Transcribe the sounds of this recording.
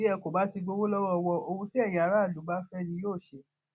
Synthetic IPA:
i˦ɛ˧ko˨ba˨˦ti˧ɡ͡bo˧wo˦lɔ˦wɔ˦˧wɔ˧ʔo˧wũ˧ti˦ɛ˦˨jĩ˧a˨˧ɾa˦˨lu˨˦ɡ͡ba˦fɛ˦˨nĩ˧˦joː˦˨ʃe˧

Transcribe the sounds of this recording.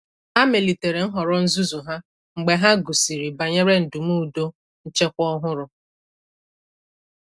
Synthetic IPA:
ha˦me˨li˨te˨ɾe˨ŋ̩˦ɦɔ˨ɾɔ˦n̩˦zu˦zu˨ɦa˦ | ŋ͡m̩˨ɡ͡be˨ɦa˦ɡu˨si˨ɾi˨ba˨ɲe˦ɾe˦n̩˨du˨mu˦˨do˦ | n̩˦t͡ʃe˦kʷɔ˦ɦʊ˦ɾʊ˨

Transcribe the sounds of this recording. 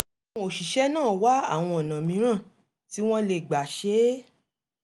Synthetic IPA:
o˨ʃi˨ʃɛ˦nãː˦˨wa˨˦a̰˦˨w̃ɔ̃˧ɔ˨nã˨mĩ˨˦ɾ̃ã˦˨ | ti˨˦w̃ɔ̃˦le˨ɡ͡ba˨ʃe˨˦

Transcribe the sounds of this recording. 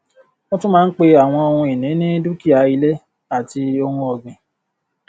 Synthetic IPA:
mõ˦tũ˦mãː˦n̩˦k͡pe˧a˨w̃ɔ̃˧o˧hũ˧i˨nĩ˨˦nĩ˦du˦ki˦˨a˨˦i˧lɛ˦ | a˦˨ti˧o˧hũ˧ɔ˧ɡĩ˨

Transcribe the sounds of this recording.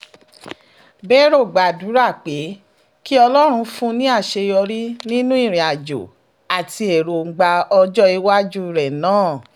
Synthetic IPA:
bɛ˦ɾo˦˨ɡ͡ba˨du˨˦ɾa˦˨k͡pe˨˦ | ki˦ɔ˧lɔ˦ɾ̃ũ˧fũ˦nĩ˦a˦˨ʃe˧jɔ˧ɾi˦nĩ˦nũ˦i˦˨ɾ̃ĩ˨a˨d͡ʒo̰˨ | a˨ti˧e˨ɾo˨˦ɡ͡ba˧ɔ˧d͡ʒɔ˦i˧˦wa˦d͡ʒu˦˨ɾɛ˨nãː˦˨

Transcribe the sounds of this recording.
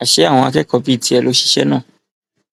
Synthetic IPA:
a˨ʃe˨˦ã˦˨ɔ̃˧a˧kɛ˦kɔ˧bi˦˨ti˧˦ɛ˨lo˨˦ʃi̥˦ʃɛ˦nãː˦˨

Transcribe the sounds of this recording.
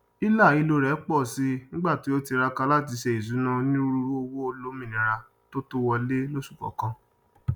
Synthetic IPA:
i˦la˦˨i˨˧lo˧ɾɛ˨˦k͡pɔ˦˨si˧˦nĩ˦ɡ͡ba˦˨ti˨˦o˦ti˧ɾa˧ka˧la˦˨t̬i˨˧˦ʃɛ˧˨i˨zu˨˦nã˧nĩ˦ɾu˧o˦o˧wo˦o˧lo˨˦mĩ˦˨nĩ˨ɾa˧ | to˦to˦wɔ˧le˦lo˦su̥˦˨kɔ̰˨˦kã˦

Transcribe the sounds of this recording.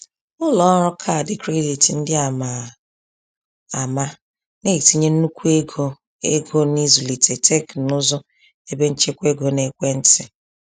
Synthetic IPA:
ʊ˦lɔ˦ɾɔ˦kʰa˦˨dɪ˦kɾe˦di˨tn̩˦dɪ˦a˨ma˨ | a˨ma˦ | ne˦i˨ti˨ɲe˦n̩˦nu˦kʷu˦e˦ɡo˦ | e˦ɡo˦ni˦zu˨li˨te˨tʰe˦knʊ˦zʊ˦ | e˦be˦n̩˦t͡ʃe˦kʷe˦ɡo˨ne˦kʷe˦n̩˦tɪ˨

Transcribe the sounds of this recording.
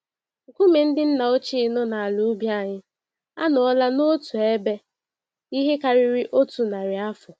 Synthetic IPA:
ŋ̩˨kʷu˦me˨n̩˦dɪ˦n̩˦na˨o˦t͡ʃi˦˨nʊ˦na˨a˨lu˦bja˦˨ɲɪ˦ | a̰˦nɔ˨ɔ˦la˦no˦tu˨e˦be˦ | i˦ɦe˦ka˨ɾɪ˦ɾɪ˦ʔo˦tu˨na˨ɾɪ˨a˦fʊ˨

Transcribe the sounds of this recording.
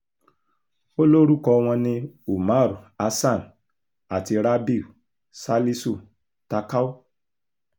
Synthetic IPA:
o˦lo˦ɾu˦kɔ˧w̃ɔ̃˧nĩ˧u˨ma˦˨ɾu˨a˧sa˦˨n | a˨ti˧ɾa˦bi˦˨u˨ | sa˦li˦su˦˨ | ta˧ka˦u˦

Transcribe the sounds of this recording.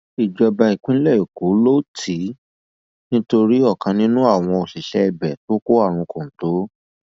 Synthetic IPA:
i˨d͡ʒɔ˧ba˧i˨k͡pĩ˦lɛ˦˨o˨ko˨˦lo˦˨tʰi˨˦ | nĩ˦to˧ɾi˦ɔ˦˨kã˧nĩ˦nũ˦a˦˨w̃ɔ̃˧o˨ʃi˨ʃɛ˦ɛ˦˨bɛ˨to˨˦ko˦a˦˨ɾ̃ũ˧kũ˨n̩˨to˨˦

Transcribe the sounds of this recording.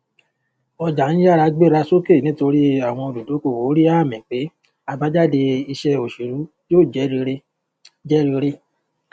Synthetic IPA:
ɔ˧d͡ʒa˨ñ̩˦ja˦˨ɾa˧ɡ͡be˦ɾa˧so˦ke˦˨nĩ˦to˧ɾi˦a˦˨w̃ɔ̃˧o˧du˨do˨˦ko˧˨wo˨˦ɾi˦a˦˨mɛ̃˨k͡pe˨˦ | a˧ba˨˦d͡ʒa˦˨de˧i˧ʃɛ˦o˨ʃe˨ɾu˨˦ | joː˦˨d͡ʒɛ˨˦ɾi˧e˦ | d͡ʒɛ˦ɾi˧ɾe˦

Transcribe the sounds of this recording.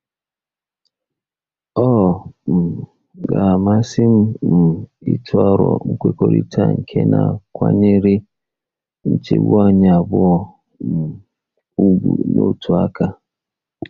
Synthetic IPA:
ɔ˦˨m̩˨ | ɡa˨a˨ma˦sɪ˦m̩˦m̩˨i˦tʰʊ˦a˦ɾɔ̰˨ŋ̩˦kʷe˦ko˨ɾḭ˦tʰa˦ŋ̩˨kʰe˦nʔa˨kʷa˦ɲe˦ɾɪ˦ | n̩˦t͡ʃe˦ɡu˦a˦ɲa˨a˨bʊ˦ɔ˦ | m̩˨ | u˦ɡʷṵ˨no˦tʰu˨a˦ka˦

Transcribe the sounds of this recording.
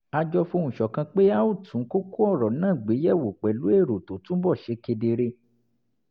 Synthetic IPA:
a˧d͡ʒɔ˧fo˧n̩ũ˨ʃɔ˨kã˧k͡pe˦a˦o˦˨tʰũ˨˦ko˦ku˦ɔ˦˨ɾɔ˨nãː˦˨ɡ͡be˨˦jɛ˦˨wo˨k͡pɛ˨lu˨˦e˦˨ɾo˨to˨tũ˨˦bɔ˦˨ʃe˧ke˧de˧ɾe˧

